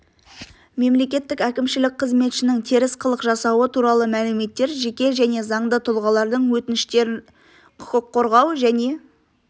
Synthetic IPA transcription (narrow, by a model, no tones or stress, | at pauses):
me̞mle̞kʲe̞t̪ːɪkækʲɪmʃɪlɪk̚ʲqʰəzme̞t̪ʃɪnɪŋt̪ʰeɾɪsqʰəlˠəqʒɑsɑwət̪ʰuɾɑlˠəmælɪme̞t̪ːe̞ɾʒekʲe̞ʒæne̞zɑɴd̪ət̪ʰʊlˠʁɑlˠɑɾd̪əɴwɵt̪ɪnɪʃt̪e̞ɾɪ | kʰəqʰːo̞ɾʁɑwʒæne̞